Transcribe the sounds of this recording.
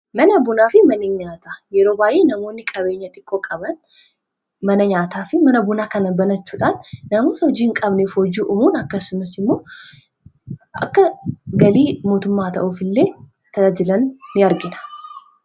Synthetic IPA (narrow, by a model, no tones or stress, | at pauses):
mɐnɐbʊnaːfɪmɐnɪɲaːt̪aːjɛɾo̞ːbaːjʔeːnɐmo̞ːnːɪkʼɐβe̞ːɲːɐt̪ʼɪkʼːoːkʼɐbɐn | mɐnɐɲaːt̪aːfɪmɐnɐbʊnaːkɐnɐbɐnɐt͡ʃːuːᶑanːɐmoːt̪hɔd͡ʒiːŋkʼɐbnefhod͡ʒiʔʊmuːnɐkːɐsʊmɐsɪmːo̞ː | ʔɐ̰kːɐɡɐliːmo̞ːt̪ʊmːaːt̪ɐ̰ʔuːfɪlːeː | t̪ʰɐd͡ʒɪlɐnːɪɐɾɡɪnɐ̥